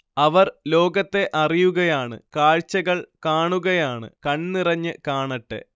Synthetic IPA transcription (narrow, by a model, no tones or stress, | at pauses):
ɐʋɐrlo̞ːɡɐt̪ːe̞ʔɐrijuɣɐjaːɳɨ̰kaːɻt͡ɕːɐɣɐɭkaːɳuɣɐjaːɳɨ̰kɐɳnirɐɲːɨkaːɳɐʈːḛ